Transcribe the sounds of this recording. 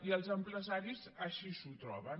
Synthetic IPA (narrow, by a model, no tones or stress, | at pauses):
iəlˠzəmpɾəzaɾizəʃisut̪ɾɔ̰βən